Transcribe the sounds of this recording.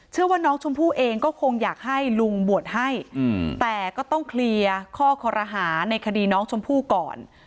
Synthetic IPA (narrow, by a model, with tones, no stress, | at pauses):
t͡ɕʰɯ˥˩ɐwaː˥˩nɔː˦˥ŋt͡ɕʰo˧mpʰuː˥˩ʔeː˧ŋkɔː˥˩kʰo˧ŋjaː˨˩k̚ha˥˩jlu˧ŋbu˨˩ət̪̚ha˥˩jt̪ɛː˨˩kɔː˥˩t̪ɔ˥˩ŋkʰli˧əkʰɔː˥˩kʰɔ˧ɾʔaː˧ɦaː˩˦na˧jkʰa˧diː˧nɔː˦˥ŋt͡ɕʰo˧mpʰuː˥˩kɔː˨˩n